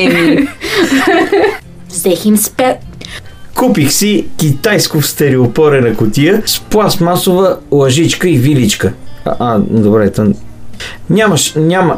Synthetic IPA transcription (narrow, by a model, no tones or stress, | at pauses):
vzɛximspa | kupixsikʲit̪ajskʊfst̪ɛɾiopɔɾɛnɐkʊt̪ijəsplˠasmasovəlˠɐʒit͡ʃkəivilit͡ʃkə̰ʔad̪obɾɛt̪ən | nʲaməʃnʲamə